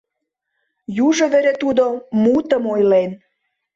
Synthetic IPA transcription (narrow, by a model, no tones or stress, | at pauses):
juʒə̆βeɾet̪ud̪omut̪əmojlen